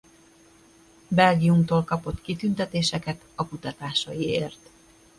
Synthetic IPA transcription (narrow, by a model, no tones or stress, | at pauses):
bɛlɡijumt̪oːlkɒpo̞t̪kit̪ynt̪ɛt̪eːʃɛkɛt̪ɒkut̪ɒt̪aːʃɒjieːrt̪